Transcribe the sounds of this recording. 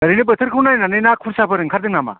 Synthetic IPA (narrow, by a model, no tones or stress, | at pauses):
ɐɾijnɯbət̪ʰɯɾkʰɯwnajnanɯjnakʰunsapʰɯɾɯŋkʰaɾdɯŋnama̰